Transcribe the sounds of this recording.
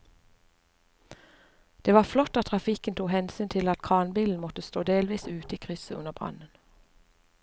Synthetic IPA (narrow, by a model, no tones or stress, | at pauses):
d̪̥eːʋɑːflɔt̪ɑt̪ʰʁɑfɪkənt̪ʰuːhɛnsyːnt̪ʰɪlɑt̪kʰɑːnbiːln̩mɔt̪əst̪oːd̪eːlʋiːsʉːt̪əiːkʰʁʏsəʉnəbʁɑ̰nən